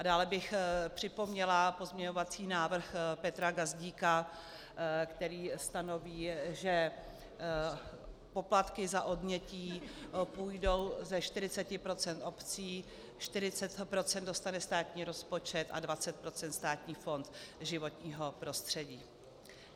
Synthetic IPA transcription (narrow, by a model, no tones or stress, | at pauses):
ʔadaːlɛbɪxpr̝̥ɪpo̞mɲɛlapo̞zmɲɛɲo̞vat͡siːnaːvr̩xpɛt̪ɾaɡazɟiːka | kt̪ɛɾiːst̪ano̞viːʒɛ | po̞plat̪kɪzaʔo̞dmɲɛciːpuːjdo̞wzɛʃt̪ɪɾɪt͡sɛcɪpɾo̞t͡sɛnt̪o̞pt͡siː | ʃt̪ɪɾɪt͡sɛt̪pɾo̞t͡sɛnd̪do̞st̪anɛst̪aːt̪ɲiːɾo̞spo̞t͡ʃɛt̪ʔa̰dvat͡sɛt̪̚pɾo̞t͡sɛnt̪st̪aːt̪ɲiːfo̞nt̪ʒɪvo̞t̪ɲiːɦo̞pɾo̞st̪r̥ɛɟiː